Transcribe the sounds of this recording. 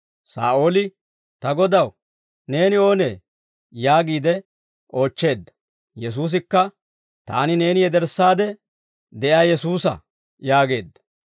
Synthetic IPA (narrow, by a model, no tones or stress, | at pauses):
sa̰ːʔo̞ːlɪ | t̪ɐɡɔd̪ɐw | ne̞ːnɪo̞ːneː | jaːɡiːd̪ɛ | ʔo̞ːt͡ʃːe̞ːd̪ːɐ̥ | jɛs̬uːs̬ɪkːɐ | t̪a̰ːnɪne̞ːnɪjɛd̪ɛɾsːaːd̪ɛ | d̪ɛʔaːjɛsuːsɐ̰ | jaːɡe̞ːd̪ːɐ̥